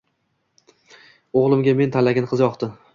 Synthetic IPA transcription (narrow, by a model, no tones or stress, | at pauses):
oʁlˠɪmɡʲame̞nt̪ʰalaɡʲɪnqʰɨzjɒqt̪ɪ